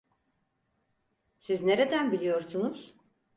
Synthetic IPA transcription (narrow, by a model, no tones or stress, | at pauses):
sizneɾe̞d̪ænbilʲijoɾsunuz̥